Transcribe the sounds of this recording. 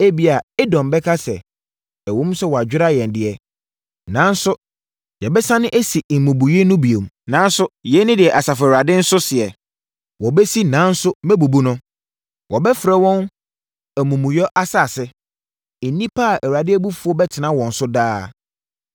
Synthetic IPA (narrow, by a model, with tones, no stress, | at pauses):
e˦bi˨a˨ɛ˦dɔ̃˨mbɛ˦kʰa˦sɛ˨ | ɛ˨wõ˦m̩˦sɛ˦wɔ˨a˨d͡ʑᶣɪ˦ɾa˦jɛ̃˨n˨dɪ˨ɛ˨ | nã˨˦n̩˦sʊ˦ | jɛ˨bɛ˦sã˦nɪ̃˦ʔe˦si˨mũ˨bu˨je˦nʊ̃˦bi˨o˨m˨nã˨˦n˦sʊ˦jɛ˦nɪ̃˦dɪ˨ɛ˨ʔa˨sa˨fʊ˨a˨dɪ̃˦n̩˦sʊ˦sɪ˨ɛ˨ | wɔ˨bɛ˦si˦nã˨˦n̩˦sʊ˦mɛ˦bu˨bu˦nʊ̃˦ | wʔɔ˨bɛ˦fɾɛ˦wɔ̃˦n | æ˨mũ˨mũ˨jɔ˦ʔa˦sa˦˨sɛ˦ | e˨˦nĩ˦pʰa˦a˨ʔæ˨wɾa˨dɪ˦æ˦bu˦fu˨˦ɔ˦bɛ˦tʰɪ˨nã˦wɔ̃˨n̩˨sʊ˦daː˦